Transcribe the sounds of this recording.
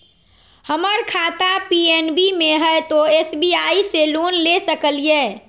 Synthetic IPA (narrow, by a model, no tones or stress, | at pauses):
həməɾkʰat̪apienbimeɦəjt̪oesbiaiselunlesəkəlije